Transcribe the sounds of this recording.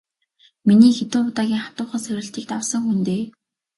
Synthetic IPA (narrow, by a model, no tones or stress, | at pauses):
miniːxet̪ʊːpʊt̪aːɣʲiːŋχḁt̪ʊːχə̆nsœɾʲɪ̆ɬt͡ɕ̪iːk̚t̪awsə̆ŋxunt̪eː